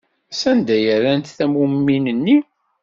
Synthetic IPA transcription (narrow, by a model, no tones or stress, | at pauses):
sænd̪æjəɾænt̪θæmumːinənːi